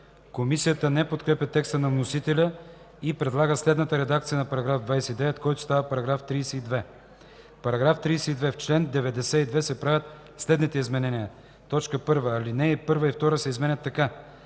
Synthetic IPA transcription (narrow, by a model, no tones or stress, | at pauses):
komisijət̪ənɛpot̪kɾɛpʲɛt̪ɛkst̪ənɐvnosit̪ɛlʲə | ipɾɛd̪lˠaɡəslɛd̪nət̪əɾɛd̪ak̚t̪sijənɐpɐɾɐɡɾavd̪vajsɛid̪ɛvɛt̪kɔjt̪ʊ̥st̪avəpɐɾɐɡɾaft̪ɾiːsɛid̪vɛ | pɐɾɐɡɾaft̪ɾijsɛid̪vɛft͡ʃlɛnd̪ɛvɛd̪ɛsɛid̪vɛsɛpɾavʲət̪ | slɛd̪nit̪ɛizmɛnɛniə | t̪ɔt͡ʃkəpɤɾvəːlinɛpɤɾvəift̪ɔɾəsɛizmɛnʲət̪ːɐka